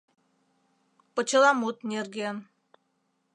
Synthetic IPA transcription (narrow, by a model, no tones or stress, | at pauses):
pət͡ɕə̆lɑmut̪nʲerɡen